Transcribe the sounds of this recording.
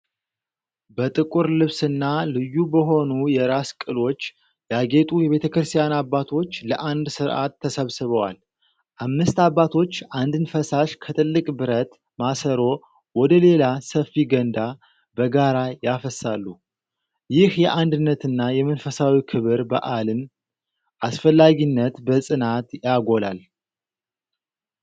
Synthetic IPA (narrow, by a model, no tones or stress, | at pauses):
bət̪ʼɨkʼuɾlɨβsɨnːalɨjːubəɦo̞nujɛɾaskʼɨlo̞t͡ʃː | jaɡe̞t̪ʼujɛβe̞t̪ʰəkɾɨst̪ʰʼijanabːat̪ʰo̞t͡ʃːləʔand̪sɨɾʔa̰t̪ʰːəsəβsɨβəwa̰l | ʔamnɨst̪abːat̪ʰo̞t͡ʃːʔand̪ɨnfəsaʃkʰət̪ʼɨlːɨkʼbɨɾət̪ | masəɾo̞ | wɔd̪əle̞lasəfiɡənd̪a | bəɡaɾajafəsalːu | jɪhjɛʔand̪ɨnːət̪ɨnːajɛmənfəsawikʰɨβɨɾbə̰ʔalɨn | ʔasfəlːaɡinːət̪bəsʼɨnat̪jaɡo̞lal